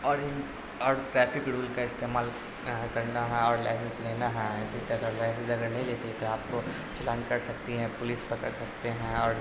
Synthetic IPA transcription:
ɔːɾɪn | ɔːɾʈɾɛːfɪkɽuːlkaɪst̪eːmaːl | kɐɾnaɦɛ̃ɔːɾlaːɪsə̃nsleːnaɦɛ̃ɪsit̪ɛt̪ɔlaɪsɪzɐɡəɾnɐɦĩleːt̪et̪oaːp̚ko | t͡ʃɪlãːnd͡ʒkɐɾsɐkt̪iɦɛ̃pʊlispɐkəɽsɐkt̪eɦɛ̃ɔːɾ

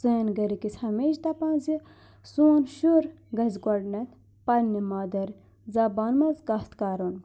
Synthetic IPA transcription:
seːnɡɐɾikisʲhɐmeːʃt̪ɐpãːnzi | suːnʃuɾ | ɡɐzʲɡɐɖnɐt̪ʰ | pɐnːimaːd̪ɐɾ | zaːbaːnmɐzɡɐst̪kaːɾun

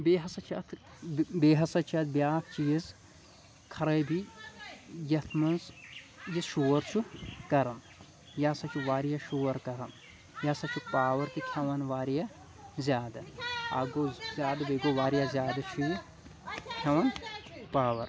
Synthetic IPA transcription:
beːɦɐsɐt͡ʃʰɐ̰t̪ʰ | beːɦɐsɐt͡ʃʰiɐt̪̚ʰbiaːkʰt͡ʃiz | kʰɐɾɐjbʱi | jɐt̪ʰmɐnzjɐʃoːɾt͡ʃʰukɐɾɐm | jasɐt͡ʃʰuʋaːɾijaʃoːɐɾkɐɾɐm | jasɐt͡ʃʰupaːʋɐɾk̪ikʲʰɐʋɐnʋaːɾija | zʲjaːd̪ɐɐ̰ɡozjaːd̪ɐbeɡoʋaːɾijazʲjaːd̪ɐt͡ʃʰuj | k̪ʲʰɐʋɐnpaːʋɐɾ

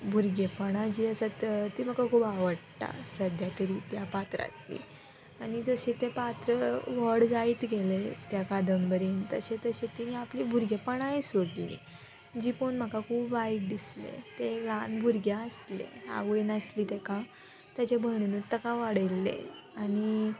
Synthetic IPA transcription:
bʱuɾɡepəɽ̃ad͡ʑiːəsat̪t̪iːm̤əkakʰuːpaʋəɽt̪a̰səd̪ʱjat̪əɾiːt̪japat̪ɾa̰t̪lḭː | anid͡zəɕẽt̪epat̪ɾəʋəɽd͡zait̪ɡelet̪jakad̪ʱənbəɾent̪əɕẽt̪əɕet̪iniaplibʱuɾɡepaɽ̃aesoɽlḭ | d͡ʑiːponm̤akakʰuːpʋaiʈ̚d̪islḛt̪eɡanbʱuɾɡʱjaəslḛa̰ʋənəsliːt̪ekã | t̪jat͡ɕebʱəɽ̃unut̪əkãʋaɽəjlːḛ | añi

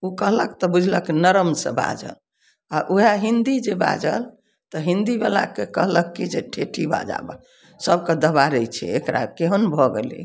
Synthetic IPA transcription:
ukəɦləkt̪ɔbud͡ʒʱləkinəɾəmsə̰̃ba̰d͡ʒə̰l | aʔuɦaɦind̪id͡ʒeba̰d͡ʒəl | t̪ɔɦĩnd̪ibela̰kekəɦləkːid͡ʒeʈʰeʈʰiba̰d͡ʒa̰bə̰ | səbked̪əβaɾəjt͡ʃʰɛ̰ekɾa̰keɦənbʱɔɡelḭ

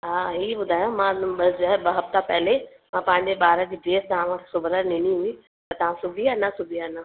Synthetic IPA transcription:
ɦãɦibʊd̪ʱaːjomãbɐsd͡ʒoɦɛbɐɦɐft̪apɛɦle | mãpãɦɪ̃ɲd͡ʑebaːɾãkiɖeːst̪ɐɦãmãsʊbɾanɪnĩɦui | ɐɾt̪ɐãsʊbʱijanasʊbʱijana

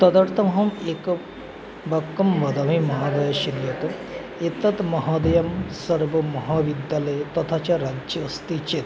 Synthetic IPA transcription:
t̪ɐd̪ɐɾt̪ʰɐmɦɐmeːk | bɐkːɐmʋɐd̪ɐmimɐɦaːd̪ɐjɐʃiɾjɐt̪ | et̪ɐt̪mɐɦaːd̪ɐjɐmsɐɾbɐːɐɦaːʋid̪jaːlɐjt̪ɐt̪ʰat͡ʃaɾad͡ʒɐːst̪it͡ʃet̪

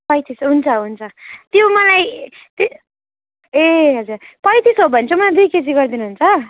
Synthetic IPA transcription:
pʌjt̪ʰisɦunt͡sʰʌɦunt͡sʰʌt̪jomʌlaj | t̪ | eɦʌd͡zurpʌjt̪ʰisɦobʱʌnt͡sʰʌmʌlajd̪ujked͡ziɡʌrd̪inuɦunt͡sʰʌ

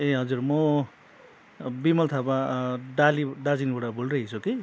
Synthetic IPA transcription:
eɦʌd͡zurmʌ | bimʌlt̪ʰapaɖaliɖad͡zinbuɽabulreɦit͡sʰuki

